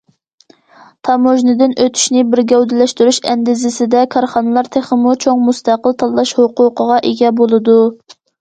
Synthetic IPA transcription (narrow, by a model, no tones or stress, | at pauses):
t̪ʰɑmoʒnɪd̪ɪnʔøt̪ʰy̥ʃnɪbɪɾɡʲɛwd̪ɪlɛʃt̪yɾyʃɛ̰nd̪ɪzɪsɪd̪ɛkʰɑɾχɑnɨlˠɑɾt̪ʰeχəmut͡ʃʰoŋmust̪ɑqəlˠt̪ʰɑlˠːɑʃhoqʊqəʁɑʔeɡʲɛbolˠɨd̪u